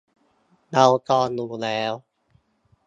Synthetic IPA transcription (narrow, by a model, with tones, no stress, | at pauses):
na˧wkɔː˧nːuː˧˩lɛː˦˥w